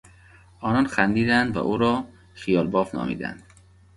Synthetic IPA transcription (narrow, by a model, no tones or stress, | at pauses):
ʔɒːnɒːnxænd̪iːd̪ænd̪væ̰ʔuːɾɒː | xijɒːlbɒːfnɒ̰ːmḭːd̪æ̰nd̪̥